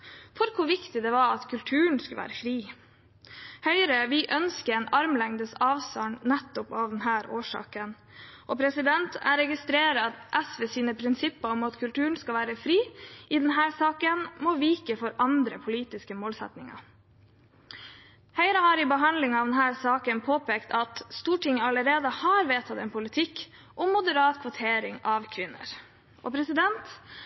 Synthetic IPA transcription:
fɔɾkʰʊʋɪkt̪ɪd̪ɛʋɑɑt̪kʰʉlt̪ʰʉːɳ̩skʉlʋæ̰ːɾəfɾiː | hœʏɾəʋɪʔœnskəɛːnʔɑɾmlɛŋd̪əsɑːʋstɑɳnɛt̪ːʊpɑːʋd̪ɛnɦæːɾoːʂɑ̰ːkən | ʔɔpʰɾɛsɪd̪ɛnt̪ʰæ̰ɾɛɡɪst̪ɾeːɾəɑt̪ʔæsʋesiːnəpʰɾɪnsɪpːəɔmɑt̪kʰʉlt̪ʉːɳ̩skɑlʋæːɾəfɾiːʔɪd̪ɛnɦæːɾsɑːkənmoːʋiːkəfɔɾɑnd̪ɾəpʰʊliːt̪ɪskəmoːlsɛ̰t̪nɪŋɑ̰ | hæɪɾəhɑːɾɪbəɦɑnd̪lɪŋɑːʋd̪ɛnɦæːɾsɑːkənpʰoːpeːkt̪ʰɑt̪st̪uːʈʰɪŋəɑləɾeːd̪əhɑɾʋeːt̪ʰɑt̪ɛnpʰʊlɪt̪ʰɪk | ʔɔmːʊd̪əɾɑːt̪kʰʋʊt̪ʰeːɾɪŋɑʋkʰʋɪnːə̰ɾ | ʔɔ̰pʰɾɛsɪd̪ɛnt̪

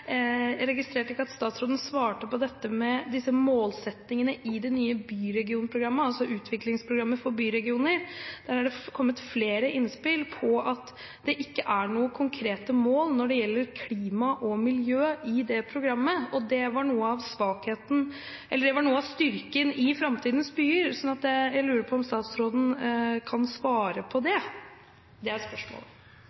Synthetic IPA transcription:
ɾɛɡɪst̪ɾeːʈɪkːəɑt̪st̪ɑːt̪sɾoːd̪ən̩sʋɑːʈəpɔd̪ɛt̪ːəmɛd̪ɪsːəmoːlsɛt̪nɪŋənəʔɪd̪ɛnyːəbyːɾɛɡɪuːnpʰɾʊɡɾɑmːəɑlsɔʔʉːt̪ʰʋɪklɪŋspʰɾʊɡɾɑmːəfɔɾbyːɾɛɡɪuːnəɾd̪̥æɾhɑɖɛkʰɔmːət̪fleːɾəʔɪnspɪlpʰɔʔɑt̪ | d̪ɛʔɪkːəʔæɳuːəkʰʊŋkʰɾeːt̪əmoːlnɔɖɛjɛlːəɾkʰliːmɑʔɔmɪljøːɪd̪ɛpʰɾʊɡɾɑmːəɔd̪ɛʋɑɳuːəɑʋsʋɑːkheːt̪n̩ | ʔɛlːəɖɛʋɑɳuːəɑst̪ʏɾkənɪfɾɑmt̪ʰiːd̪ən̩sbyːəɾsɔnːɑt̪̚d̪ɛjæɪlʉːɾəɾpʰɔɔmst̪ɑːt̪sɾoːd̪n̩kʰɑnsʋɑːɾəpʰɔd̪ɛ | d̪ɛæɾspœʂmɔ̰ːl

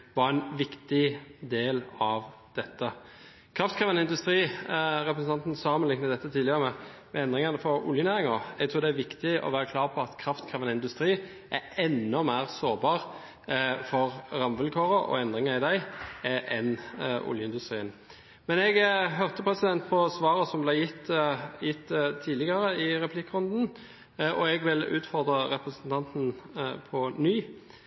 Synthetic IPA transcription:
ʋɑʁɛnʋɪkt̪ɪd̪eːlɑʋ | d̪̥ɛt̪ːə | kʰɾɑft̪kʰʁeːʋənəɪnd̪ʉst̪ɾiːɾɛpɾəsn̩ʰɑnt̪nsɑːmənɪŋnəd̪ɛt̪ːət̪ʰiːlɪəʁmɛmɛɛnd̪ʁɪŋɑnəfɔɾʊ̰ljənæːɾɪŋɑɛɡt̪ʰɾuːʁd̪ɛæʋɪkt̪ɪʔɔ̰ʋæːɾəkʰlɑːʁpʰɔɑt̪kʰɾɑft̪kʰʁeːʋənəɪnd̪ʉst̪ɾiː | ʔæɛnːɔmæːʁsoːʁbɑːʁ | fɔʁʁɑmʋəlkʰoːʁəʔɔ̰ɛnd̪ʁɪŋɑɪd̪æɪɛʔɛnʔʊ̰ljəɪnd̪ʉst̪ʁiːən | mɛnɛɡɦœʁt̪əpʰʁɛsɪd̪ɛnt̪̚pʰɔsʋɑːɾəsɔmblæɪjɪt̪jɪt̪ːt̪ʰːiːlɪɡɑɾəɪʁɛpʰlɪkːʁʊnd̪n̩ | ʔɔɛɡʋɪlʉ̰ːt̪fɔʁd̪ʁəɾɛpʁəsənt̪ʰɑnt̪n̩pʰɔnyː

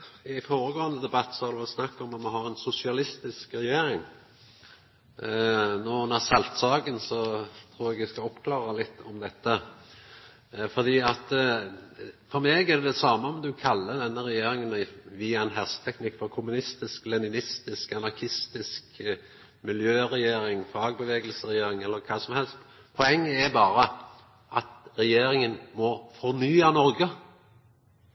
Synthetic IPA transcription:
ɪfoːɾəɡoːənəd̪ɛbɑt̪ːsɔɑd̪ʉʋɛsnɑkːɔmːɔt̪mɛɦɑɾɛnsʊsɪɑlɪst̪ɪskɾɛjeːɾɪŋ | noːnɛsɛlt̪sɑːɡənsɔt̪ʰɾuːɾɛɡʋɪskɑɔpːkʰlɑːʁəlɪt̪ːɔmd̪ɛt̪ːə | fɔʁd̪iːɑt̪ | fɔɾmeːɡæd̪ɛd̪ɛsɑːməɔmd̪ʉkʰɑlːəd̪ɛnːəɾɛjeːɾɪŋənʋɪːɑɛnɦɛʁsə̥t̪ʰɛknɪkːfɔɾkʰʊmʉnɪst̪ɪsklɛnɪnɪst̪ɪskɑnɑɾkʰɪst̪ɪsk | mɪljøːɾɛjeːɾɪŋfɑːɡ̚bəʋeːɡəlsəɾɛjeːɾɪŋɛlːəɾkʰɑːsɔmhɛlst̪ | pʰɔɛŋːəɛɾbɑːɾə | ʔɑt̪ɾɛjeːɾɪŋənmɔfɔɾnyːɑnɔɾɡə

